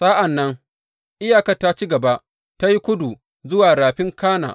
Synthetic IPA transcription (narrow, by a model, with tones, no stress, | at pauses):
saː˦ʔa˨nːɐ˦ŋ | ʔɪ˦jaː˨kɐ˦ta˦t͡ʃi˦ɡɐ˨ba˦ʔ | ta˦ji˦kʷʊ˦du˨ | zʊ˦waː˨ɾaː˨ɸɪ˦ŋkaː˦na̰ː˨